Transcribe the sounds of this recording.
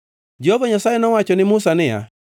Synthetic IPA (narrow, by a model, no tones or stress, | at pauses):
d͡ʒehovaɲasajenɔwat͡ʃɔnɪmʊsanɪja̰